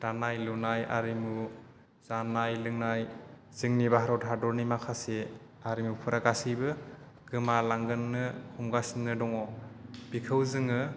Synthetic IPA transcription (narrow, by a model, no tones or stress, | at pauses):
d̥anajlunajʔa̰ɾimu | z̥anajlɯŋnaj | z̥ɯŋnibaɦaɾɔtɦadɔɾnimakʰase | aɾimupʰuɾaɡasibɯ | ɡ̥ɯmalaŋɡɯnːɯhʰumɡasinnɯdɔŋɔbikʰɯwzɯŋɯ